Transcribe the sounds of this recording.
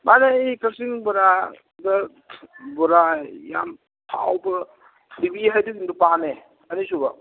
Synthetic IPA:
maneikɐsiŋbɔɾa | dɐ | bɔɾaja̰m | tʰa̰wbɐ | tʰlibiɦajduɡindupane | ɐnisubɐ

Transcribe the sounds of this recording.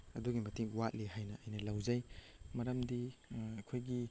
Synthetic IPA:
ɐduɡimɐtiŋwat̚liɦajnɐɐjnɐlɐwzɐj | mɐɾɐmdiɐkʰojɡi

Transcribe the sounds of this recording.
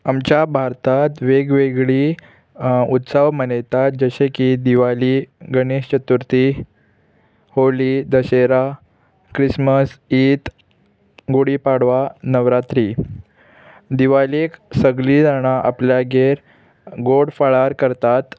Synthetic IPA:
amt͡ɕjabʱaɾt̪at̪ʋeɡʋeɡɭiː | ut̪səʋmənajt̪at̪̚d͡zəɕekid̪iʋaliɡəneɕt͡ɕət̪uɾt̪i | holid̪əɕeɾa | kɾisməsiːt̪ | ɡoɽiːpaɽʋanəʋɾat̪ɾi | d̪iʋaleksəɡliːd͡zaɽ̃aʔa̰pljaɡeɾ | ɡoɽfaɭaɾkəɾt̪at̪

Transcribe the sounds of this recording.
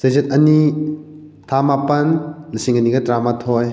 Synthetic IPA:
sɐjzɐt̚ɐni | tʰamapɐnlisiŋɐniɡɐtɾamatʰoj

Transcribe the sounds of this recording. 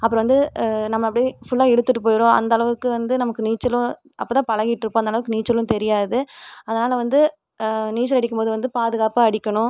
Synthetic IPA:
ɐpːɯɾɐ̃ʋɐnd̪ɯnɐmːɐɐpːɐɽifʊɭːaːɛɽɯt̪ːɯʈːɯpoːjɪɾõːɐ̰nd̪ɐɭɐʋɯkːɯʋɐnd̪ɯnɐmɐkːɯniːt͡ʃːɐlʊ̃ | ʔɐ̰pːoːt̪ãːpɐɭɐɣɪʈːɪɾɯpːõɐnd̪ɐɭɐʋɯkːɯniːt͡ʃːɐlʊ̃t̪ɛɾɪjaːðɯɐðɐnaːlɐʋɐnd̪ɯ | niːʈt͡ʃːɐlɐɽɪkːɯmpoːðɯʋɐnd̪ɯpaːðɯɣaːpaːɐɽɪkʲːɐɳʊ̃

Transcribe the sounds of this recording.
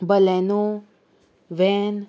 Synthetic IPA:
bəlɛno | ʋɛn

